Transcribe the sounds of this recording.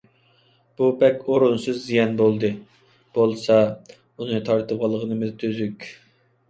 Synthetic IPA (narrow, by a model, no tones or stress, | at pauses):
b̥ubɛkʲoɾunsɨzːijɛnbolˠd̪ɨ | b̥olˠsɑ | unɨt̪ʰɑɾt̪ʰɨpʁɑlˠəʁənɨmɨzt̪ʰøzykʲ